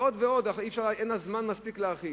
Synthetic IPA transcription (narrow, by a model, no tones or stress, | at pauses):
od̪veo̞d̪aifʃaʁaʔenazmanmaspikleaʁχi